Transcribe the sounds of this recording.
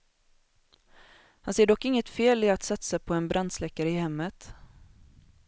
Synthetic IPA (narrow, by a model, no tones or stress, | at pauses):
hanseːɖɔkːɪŋːət̪feːlɪat̪sat̪sapʰɔɛnbɾʔand̪slɛkːaɾəɪhɛmːət̪